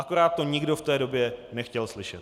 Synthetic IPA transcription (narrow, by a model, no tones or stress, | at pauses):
ʔako̞ɾaːt̪̚ːo̞ɲɪɡdo̞ft̪ɛːdo̞bjɛnɛxcɛlslɪʃɛt̪